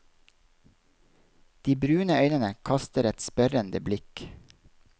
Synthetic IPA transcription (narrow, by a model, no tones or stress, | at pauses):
d̪̥iːbɾʉːnəœʏnənəkʰɑst̪əɾɛt̪spœɾənd̪əblɪk